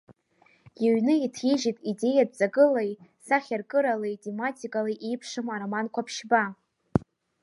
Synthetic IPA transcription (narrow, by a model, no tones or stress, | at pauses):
jaɥnɨitʰiʒitʼide̞jad̚zaɡɨlajsaχʲarkʼɨɾalejtʲʰʼematʰʲʼikʼalaʔejpʰʂɨmaɾamankʷʰapʰʃba